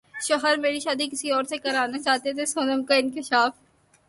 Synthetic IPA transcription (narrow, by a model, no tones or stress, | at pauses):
ʃɔɦəɾmeːɾiʃaːd̪ikɪsiɔːɾsekɐɾaːnat͡ʃaːt̪et̪ʰesoːnəmkaɪnkɪʃaːf